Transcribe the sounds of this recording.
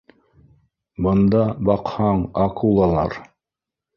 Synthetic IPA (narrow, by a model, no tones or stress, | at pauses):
bɤ̆nd̪ɑbɑqhɑɴɑqulˠɑlˠɑ̰ɾ